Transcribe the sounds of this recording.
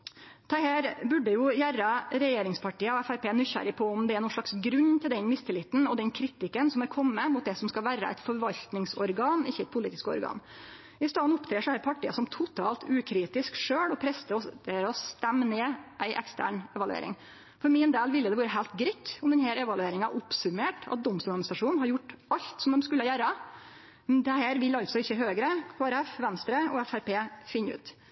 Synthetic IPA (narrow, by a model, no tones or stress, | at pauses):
t̪ʰɑhæːɾbʉɖːəjʊjæɾɑɾɛjeːɾɪŋspʰɑʈiːəɔɛfæɾpʰeːnyçæ̰ɾɪpʰɔʊmd̪ɛæɾɳuːɭɑksɡɾʉnːt̪ʰɪld̪ɛnmɪst̪ʰɪlɪt̪n̩ɔd̪ɛnkʰɾiːt̪ɪkənsɔmɛɾkʰɔmːəmʊt̪d̪ɛsɔmskɑlʋæːɾə̰æ̰t̪fɔɾʋɑʎt̪nɪŋsɔɾɡɑːnɪçːəɛɪt̪̚pʰʊliːt̪ɪ̥skɔ̰ɾɡɑ̰ːn | ɪst̪ɑːnʊpt̪ʰɾeːʂɔhæɾpʰɑʈʰːḭːəsɔmt̪ʰʊt̪ʰɑːlt̪ʰʉːkʰɾiːt̪ɪskʂøːɽɔpʰɾɛst̪əɔd̪ɛɾɔst̪ɛmːneːʔæɪʔɛ̰kst̪ʰæ̰ːɳɛʋɑlʉḛːɾɪ̰ŋ | fɔɾmɪːnd̪eːlʋɪlːəd̪ɛʋɑːɾəɦæɪːlt̪ɡɾɪt̪ːʊmd̪ɛnɦæːɾɛʋɑlʉeːɾɪŋɑʔʊpsʉmeːʈɑ̰t̪̚d̪ɔmst̪uːɡɑnst̪ɑʂuːnnhɑɾjʊʈːɑʎt̪sɔmd̪ɛmskʉlːəjæːɾə | mnd̪ɛhæːɾʋɪlːɑlt̪sɔɪçːəɦøːɡɾəkʰoːæɾɛfʋɛnst̪ɾəʔɔɛfæɾpeːfɪnːəʉ̰ːt̪